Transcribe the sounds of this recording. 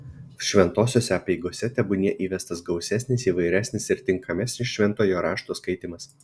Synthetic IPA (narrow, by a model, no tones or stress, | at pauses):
ʃʲʋʲɛnt̪oːsʲoːsʲɛɐpʲɛɪɡoːsʲɛt̪ʲɛbʊnʲiɛʔiːʋʲɛst̪ɐsɡɒʊsʲæsʲnʲɪsiːʋɐɪɾʲæːsʲnʲɪsɪɾt̪ʲɪŋkʰɐmʲɛsʲnʲɪsʃʲʋʲɛnt̪oːjoːɾɑːʃt̪oːskɐɪt̪ʲɪmɐs